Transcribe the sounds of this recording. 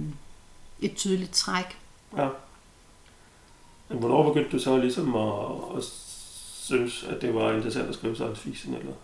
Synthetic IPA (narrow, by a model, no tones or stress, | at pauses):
ʔe̝d̥̚t͡sʰyðˠlid̥̚t͡sʰʁaɡ̥ | jæ | menʋɒnɒ̰ːb̥e̝ɡ̥øn̰d̥ːusɒ̽lisɒ̽mɒː | synəsæd̥d̥e̝ʋɑ̈e̝nd̥ʁɐsæn̰d̥æsɡ̥ʁiːʊsɑnfḭːsn̩elɐ